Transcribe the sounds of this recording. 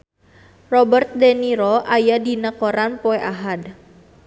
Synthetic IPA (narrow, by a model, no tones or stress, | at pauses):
rɔbərt̪̚deniɾɔʔajadinakoɾanpoeʔaɦad